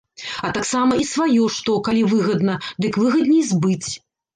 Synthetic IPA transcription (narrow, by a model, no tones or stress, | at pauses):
ɐt̪aksamɐisvajɔʂt̪ɔkalʲivɨɣɐd̪nɐd̪ɨkvɨɣɐd̪nʲɛjzbɨt͡sʲ